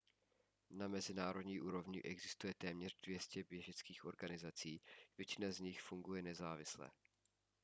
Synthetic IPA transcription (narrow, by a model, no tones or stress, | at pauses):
namɛzɪnaːɾod̪ɲiːʔuːɾo̞vɲɪʔɛɡzɪst̪ujɛt̪ɛːmɲɛrdvjɛscɛbjɛʒɛt͡skiːxʔo̞̰ɾɡanɪzat͡siːvjɛt͡ʃɪnazɲɪxfuŋɡujɛnɛzaːvɪslɛ̰ː